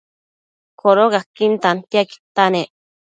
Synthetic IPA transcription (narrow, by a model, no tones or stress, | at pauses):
kʰoɾokakːint̪ant̪iaki̥t̪anẽʔ